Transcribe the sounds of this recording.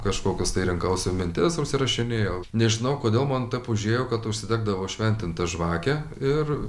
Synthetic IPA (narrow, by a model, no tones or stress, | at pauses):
kɐʃkoːkʲʊst̪ɐɪɾʲɪŋkɐʊsʲomʲɪnʲt̪ʲɪsʊʃʲsʲɪɾɐʃʲɪnʲeːjoːnʲɛʒʲɪnɐʊkoːd̪ʲeːlˠmɐnt̪ɐɪpʊʒʲeːjoːkɐt̪ʊʃʲsʲɪd̪ʲæːɡ̚d̪ɐʋoːʃʲʋʲɛnʲt̪ʲɪnt̪ɐʒʋɑːkʲɛ | ɪr